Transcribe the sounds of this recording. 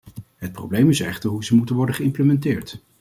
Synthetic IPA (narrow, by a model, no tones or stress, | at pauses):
ɦət̚pro̰wblejmɪsɛχtəɹɦuzəmutənʋɔɹdəχəɪmpləmɛntɪːɹt